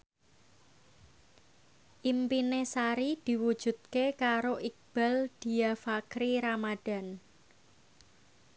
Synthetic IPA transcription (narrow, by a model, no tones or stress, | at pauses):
ʔimpinesaɾid̪̥i̤wud̥ʒ̥ṳt̪̚kekaɾoʔik̚b̥a̤ld̪̥i̤jafakɾiɾamad̪̥a̤n